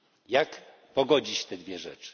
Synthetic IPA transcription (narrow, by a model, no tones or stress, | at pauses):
jak | pɔɡɔd͡ʑit͡ɕt̪ɛd̪vʲjɛʐɛ̰t͡ʂɨ̥